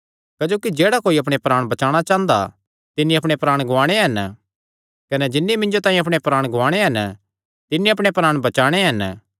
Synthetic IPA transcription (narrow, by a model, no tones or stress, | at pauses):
kɐd͡ʒoːkid͡ʒeːɽakoːiɐpɽ̃epɾaːɽ̃bɐt͡ʃaːɽ̃at͡ʃãːnd̪a̰ | t̪ɪnːĩɐpɽ̃epɾaːɽ̃ɡʱʊʋaːɽ̃eɦɐn | kɐnɛd͡ʒɪnːimɪ̃nd͡ʒot̪ãːĩɐp̬ɽ̃epɾaːɽ̃ɡʱʊʋaːɽ̃eɦɐn | t̪ɪnːiɐpɽ̃epɾaːɽ̃bɐt͡ʃaːɽ̃eɦɐn